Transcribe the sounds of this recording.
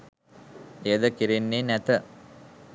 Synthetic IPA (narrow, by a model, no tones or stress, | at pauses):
ejəd̪əkiɾenːenæt̪ə